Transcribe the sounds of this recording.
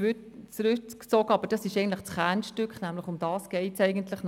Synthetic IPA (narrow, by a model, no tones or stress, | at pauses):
t͡sɾʏkt͡sɔɡəɑbəɾd̥ɑsɪʃɛɪɡən̩t̪lɪχt͡sχænʃtʏkχnæmlɪχʊmd̥ɑːsɡ̥ɛɪtsɛɪɡəntlɪχn